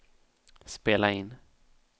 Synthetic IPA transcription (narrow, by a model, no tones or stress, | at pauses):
speːlaɪnː